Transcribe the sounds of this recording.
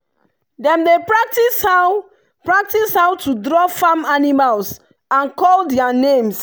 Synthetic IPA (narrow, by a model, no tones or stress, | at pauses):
dɛ̃mdepɹak̚tisha | pɹak̚tishawtudɹɔfamanimals | ãnkɔldɛanẽms